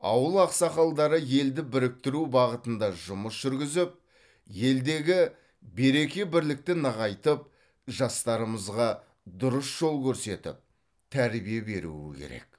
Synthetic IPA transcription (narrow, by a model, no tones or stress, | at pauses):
ɑ̰wəlˠɑqsɑqɑlˠd̪ɑɾəje̞ld̪ɪbɪɾɪk̚t̪ɪɾubɑʁət̪ənd̪ɑʒʊməsʒ̥ʏɾɡʲɪzɪp̚ | je̞ld̪e̞ɡʲɪ | be̞ɾe̞kʲe̞bɪɾlɪk̚t̪ɪnəʁɑjt̪əp̚ | ʒɑst̪ɑɾəməzʁɑ | d̪ʊɾəsʒ̥o̞lˠkʲʰɵɾse̞t̪ɪ̰p̚ | t̪ʰæɾbijebe̞̰ɾṵɪ̰kʲʰe̞̰ɾe̞̰k